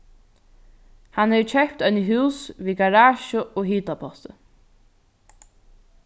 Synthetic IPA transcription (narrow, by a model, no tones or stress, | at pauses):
hanhet͡ʃʰɛhpt̪œnəɦuːsviːɡaɾaːʃʊɔːɦiːt̪apʰɔht̪ə